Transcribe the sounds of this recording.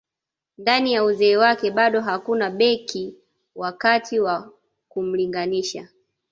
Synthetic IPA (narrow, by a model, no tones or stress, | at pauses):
ndanijauzɛːwakɛɓaɗɔɦakunaɓɛkʰi | wakatʰiwa | kum̩liŋɡaniʃa̰